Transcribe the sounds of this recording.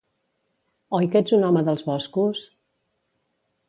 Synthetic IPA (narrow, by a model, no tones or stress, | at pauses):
ɔjked͡zunɔməðəlˠzβɔskus